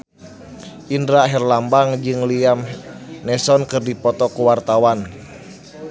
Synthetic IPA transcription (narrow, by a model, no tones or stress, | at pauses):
ʔindɾaɦɛrlambaŋd͡ʒɨŋliamnɛsɔnkɨrdipɔt̪ɔkuwart̪awan